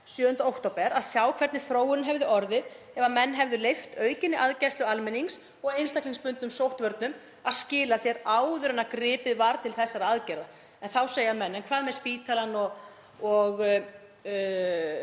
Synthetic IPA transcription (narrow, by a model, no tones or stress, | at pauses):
sjœːðʏnt̪aowht̪opɛɾaðsjaːwkʰvɛɾt̪nɪθɾoːwʏnɦɛvðʏʔɔɾðɪð | ɛvamɛnːɦɛvðʏlejft̪œːɥcɪnːɪʔaðcajst̪ʏalmɛniŋs | ɔɣejnst̪akliŋspʏnt̪nʏmsowht̪vœɾt̪nʏm | aðscɪːlasjɛɾaːwðʏɾʏnakɾɪːpɪðvaɾt̪ʰɪlθɛsːaɾaðcɛɾða | ɛnθawseːjamɛnːɛnkʰvaːðmɛðspiːt̪ʰalanɔɣ | ɔɣ